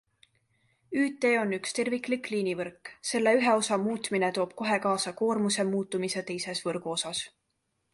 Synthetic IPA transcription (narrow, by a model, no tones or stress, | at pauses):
yːt̪ːˑe̞ːo̞nːykst̪e̞rvikːˑlikːliːnivɤrkːse̞lːe̞yɦe̞o̞sɑmuːt̪ˑmine̞t̪o̞ːb̥̚ko̞ɦe̞kɑːsɑko̞ːrmuse̞muːt̪ːˑumiset̪e̞jse̞svɤɾɡ̥uo̞sɑs